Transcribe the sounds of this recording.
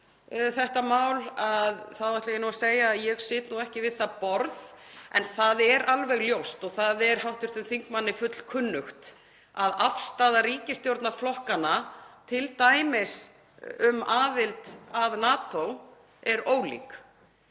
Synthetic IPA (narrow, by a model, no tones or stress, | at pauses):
θɛht̪amaːwlaðθawvajtlajɪnuaseːjajɛɣsɪːt̪nuɛhcɪvɪðθaðpɔɾðɛ̰nθaðɛɾʔalvɛɣljowst̪ɔɣθaðɛɾ̥hawht̪ʏɾ̥t̪ʏmθiŋkmanːɪfʏt̪l̥kʰʏnːʏxt̪ | aðafst̪aːðaɾiːcɪst̪jowɾt̪naɾflɔhkanat̪ʰɪlt̪aːjmɪs | ʏmaːðɪlt̪avnaːt̪ow | ɛɾoːwlḭːk